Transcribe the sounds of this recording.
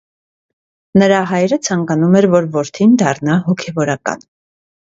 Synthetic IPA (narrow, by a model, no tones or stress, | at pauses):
nəɾɑɦɑjɾət͡sʰɑŋkɑnumɛɾvɔɾvɔɾt̪ʰind̪ɑrnɑɦɔkʰɛvɔɾɑkɑ̰n